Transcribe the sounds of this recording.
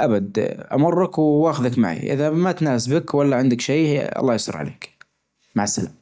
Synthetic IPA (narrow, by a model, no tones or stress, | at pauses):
ʔabad̪ʔa̰mʊrˤːakwaːxɪðakma̰ʕḭʔɪ̰ðamat̪naːsbɪkwalːaʕɪnd̪akʃeːɑ̰lˤːɑːjsˤɨ̰ɾˤʕa̰lḛːk | maʕɪsːala̰ːm